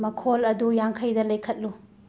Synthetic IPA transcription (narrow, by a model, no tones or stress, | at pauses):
mɐkʰolɐdujaŋkʰɐjdɐlɐjkʰɐt̚lu